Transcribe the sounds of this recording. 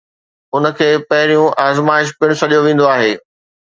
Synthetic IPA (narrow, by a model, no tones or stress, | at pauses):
ʊnə̆kʰeːpɐɦɪɾijũʔaːzmaːɪʃ̬pɪɽ̃sɐɗijoʋẽːn̆d̪oaːɦeː